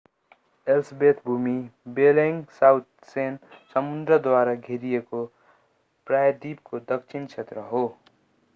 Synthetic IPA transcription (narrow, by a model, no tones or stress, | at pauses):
elsbet̪ʰbʱumibeleŋɡsawt̪̚ʰ | sensʌmund̪ɾʌd̪waɾaɡʱeɾijeko | pɾajd̪ib̚kod̪ʌkt͡sʰint͡ʃʰet̪ɾʌɦo